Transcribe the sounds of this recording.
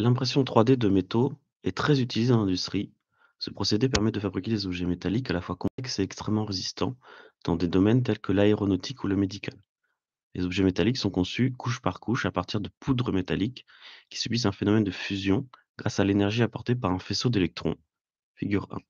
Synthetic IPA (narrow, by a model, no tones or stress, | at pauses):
lɛ̃pχesjɔ̃t̪χwad̪ed̪əmet̪o | ɛt̪χɛzyt̪ilized̪ɑ̃lɛ̃d̪yst̪χi | səpχɔsed̪epɛʁmɛd̪əfabʁikʲed̪ezɔbʒɛmet̪alikalafwakɔ̃ɛkə̥sɛɛkst̪χɛmːɑ̃ʁezist̪ɑ̃d̪̥ɑ̰̃d̪ed̪ɔmɛnt̪ɛlkəlaeʁɔnot̪ʰikʰuləmed̪ikʰalː | ḛzɔbʒɛmet̪aliksɔ̃kɔ̃sykuʃpaʁkuʃapaʁt̪iʁd̪əpud̪ʁəmet̪alikː | i̥sybizɛ̃fenɔmɛnd̪əfyzjɔ̃ | ɡ̥ʁasalenɛʁʒiapɔʁt̪epaʁɛ̃fesod̪elɛk̚t̪χɔ̰̃ | fiɡʲyʁɛ̰̃